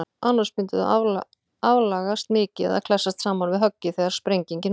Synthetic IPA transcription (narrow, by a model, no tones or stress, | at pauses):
anːaspʏnt̪ɪðʏ̰avl | avlaːɣast̪mɪːcɪɛ̰ða̰kʰl̥ɛsːast̪saːmanvɪðɦœcːɪθɛɣaɾ̥spɾejɲciɲcɪn